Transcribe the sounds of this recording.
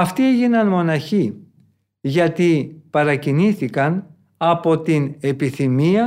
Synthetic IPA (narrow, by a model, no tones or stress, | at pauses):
ɐft̪ieʝinɐnmo̞nɐçi | ʝɐt̪ipɐɾɐciniθikɐn | ɐpo̞t̪ine̞piθimiɐ